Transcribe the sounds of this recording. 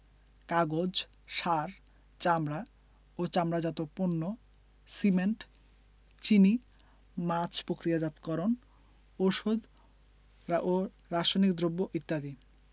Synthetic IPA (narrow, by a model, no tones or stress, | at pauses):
kaɡod͡ʑ | ʃaɾ | t͡ɕamɾa | ot͡ɕamɾad͡ʑat̪oponːo | simeɳʈ | t͡ɕini | mat͡ɕʰpɾokɾijad͡ʑat̪kɔɾon | oʃod̪ | o | ɾaʃonikd̪ɾobːoʔit̪ːad̪i